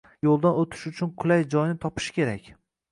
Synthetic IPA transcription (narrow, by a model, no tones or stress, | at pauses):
jolˠd̪anot̪ʰɪ̥ʃʊt͡ʃʰʊnkʰʊlajd͡ʒɒjnɪt̪ʰɒpʰɪ̥ʃkʲʰe̞ɾakʲ